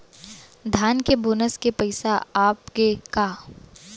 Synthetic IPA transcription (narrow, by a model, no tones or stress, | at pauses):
d̪ʱaːnkeboːnəskepɐɪsaaːpkekaː